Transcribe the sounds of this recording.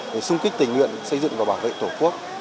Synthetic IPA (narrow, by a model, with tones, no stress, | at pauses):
ɗe˧˩sɨ˧ŋ͡mki˦˥t̪ï˨˩ŋ̟wḭ˧˨ənsə˧jzɨ̰˧˨ŋvaː˨˩wɓaː˧˩nvḛ˧˨t̪ʰo˧˩ku˦˥ək̚